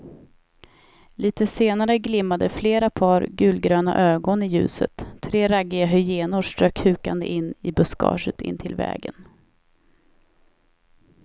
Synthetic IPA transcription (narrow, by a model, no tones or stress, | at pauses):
liːt̪əseːnaɾəɡlɪmːad̪əfleːɾapʰɑːɾɡʉ̟ːlɡɾøːna̰ʔøːɡɔnɪjʉ̟ːsə̰t̪ʰːɾeːɾaɡːɪaɦœjeːnʊʂʈɾœkhʉ̟ːkand̪ə̰ʔɪnːɪbɵskɑ̰ːʂət̪ʰɪ̰nːt̪ʰɪlvɛ̰ːɡə̰n